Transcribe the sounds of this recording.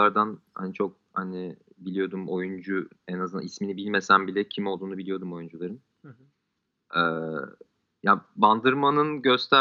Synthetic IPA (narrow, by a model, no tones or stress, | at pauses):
aɾd̪anha̰nit͡ʃʰo̞k̚hanɪbilʲijo̞d̪umo̞jund͡ʒuɛnazɯna̰isminibilʲme̞sænbilʲɛcʰimo̞lˠd̪uːnubilijo̞d̪umo̞jund͡ʒulˠaɾɯm | ɛː | jaband̪ɯɾmanɯnɟø̞st̪ʰæ